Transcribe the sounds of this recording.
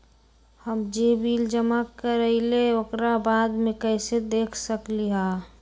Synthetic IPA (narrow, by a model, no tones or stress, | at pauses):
həmd͡ʒeːbiːld͡ʒəmakːəɾəileokɾabaːd̪mẽkəɪsed̪eːkʰsəkliɦa